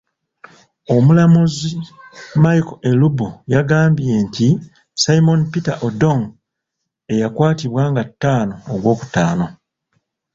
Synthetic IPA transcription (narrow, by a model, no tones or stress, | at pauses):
o̞mulamuzimajkoelubujaɡaːmbije̞ntʰi | sajimo̞npitaʔodo̞ŋ | e̞jakwaːtiβwaːŋɡatːaːno̞ːɡwo̞ːku̥taːno̞